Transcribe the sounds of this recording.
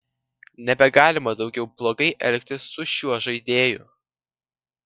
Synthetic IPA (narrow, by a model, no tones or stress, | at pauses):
nʲɛbʲɛɡɑːlʲɪmɐd̪ɒʊɡʲɛʊblˠoːɡɐɪʔɛ̰lʲkʲt̪ʲɪsːʊʃʲuɔʒɐɪd̪ʲeːjʊ̰